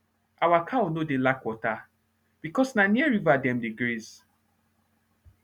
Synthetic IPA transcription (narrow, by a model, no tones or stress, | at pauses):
awakʰaonodelakwɔta | b̥ikɔsnaniɛɹivadɛ̃mdeɡɾez